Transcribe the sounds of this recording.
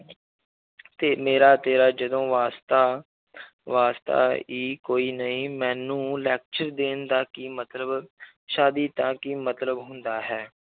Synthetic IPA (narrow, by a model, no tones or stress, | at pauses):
t̪eːmeːɾaːt̪eːɾaːd͡ʒəd̪õːʋaːst̪aː | ʋaːst̪a̰ːiːkoːiːnəĩːmɛ̃ːnːũːlɛːk̚t͡ʃəɾd̪eːnd̪aːkɪmət̪ləb | ʃaːd̪iːt̪ãːkɪmət̪ləbɦʊnd̪aːɦɛː